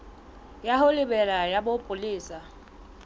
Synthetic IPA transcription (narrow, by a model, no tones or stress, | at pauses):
jaɦʊlɪbɛlajabopʼʊliːsa